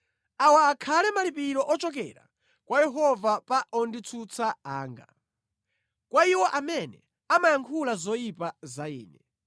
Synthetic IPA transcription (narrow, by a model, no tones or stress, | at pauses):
awaːkʰalɛmalipiɾɔʔɔt͡ʃɔk̬ɛ̰ɾa̰ | kwajɛɦɔvapaʔɔndit͡sʰut͡sʰaaːŋɡa̰ | kwaiwɔʔamɛnɛ | amajaŋkʰulazɔjipazaḭːnɛ